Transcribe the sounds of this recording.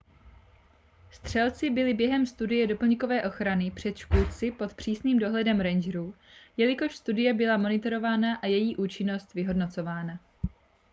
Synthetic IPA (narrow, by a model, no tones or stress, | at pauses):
st̪r̝̥ɛlt͡sɪbɪlɪbjɛɦɛmst̪udɪjɛdo̞pl̩ɲɪko̞vɛːʔo̞xɾanɪpr̝̥ɛt̪ʃkult͡sɪpo̞t̪pr̝̥iːsniːmdo̞ɦlɛdɛmɾɛnd͡ʒɾuː | jɛlɪko̞ʃst̪udɪjɛbɪlamo̞nɪt̪o̞ɾo̞vaːnaʔajɛjiːʔuːt͡ʃɪno̞st̪vɪɦo̞dno̞t͡so̞vaːna